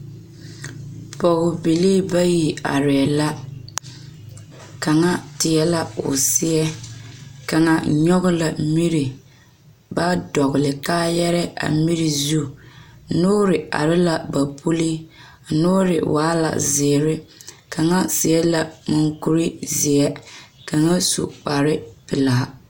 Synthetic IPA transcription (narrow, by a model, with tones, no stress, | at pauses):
pɔ˨ɣʊ˨bi˨liː˦ba˦ji˨a̰˨ɾɪ˨la˦ | ka˨ŋa˦tɪ˨ɛ˦la˦ʊ̰˨sɪ˦ɛ˦ | ka˨ŋa˦ɲɔ˦ɣʊ˦la˨mi˦ɾɪ˨ | ba˦dɔ˨ɣʊ˨lɪ˨kaː˦jɛ˦ɾɛ˦a̰˨mi˦ɾi˨zu˦˨˦ | nʊː˦ɾɪ˨a̰˨ɾɪ˦la˨ba˨pʰu˦li˦˨˦ | nʊː˦ɾɪ̰˨wʔaː˦la̰˨zɪː˨ɾɪ˦ | ka˨ŋa˦sɪ˨ɛ˦la˨mʊ˨ŋku˦ɾi˦zɪ˨ɛ˦ka˨ŋa˦sṵ˨k͡pa˨ɾɪ˦pɪ˨laː˨˦